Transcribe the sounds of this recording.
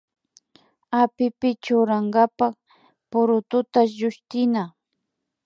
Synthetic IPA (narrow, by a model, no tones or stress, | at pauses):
apɪpɪt͡ʃʊɾaŋɡapak | pʊɾʊt̪ʊt̪aʒʊʃt̪ɪna